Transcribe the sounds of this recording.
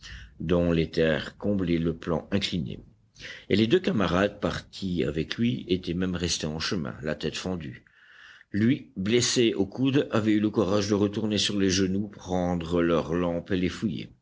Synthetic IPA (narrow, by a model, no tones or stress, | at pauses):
d̪ɔ̃let̪ɛːʁkɔ̃blɛləplɑ̰̃ɛ̃klinḛ | eled̪økamaʁad̪̚paʁt̪ʰia̰vɛklɥiet̪ɛmɛmʁɛst̪eɑ̃ʃəmɛ̰̃lat̪ɛt̪fɑ̃d̪y | lɥibleseokud̪avɛyləkuʁaʒd̪əʁət̪uʁnesyʁleʒənupχɑ̃d̪ʁəlœʁlɑ̃pelefujḛ